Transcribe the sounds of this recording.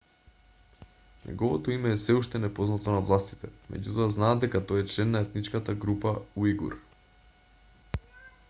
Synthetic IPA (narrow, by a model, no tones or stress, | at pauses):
nʔɛ̰ɡɔvɔt̪oimɛːsɛuʃt̪ɛnɛpoznat̪onavlˠast̪i̥t̪ɛmʔɛ̰ɟut̪oaznaːd̪d̪ɛkat̪ojɛt͡ʃlɛnːaɛt̪nit͡ʃkat̪aɡɾupauiɡṵɾ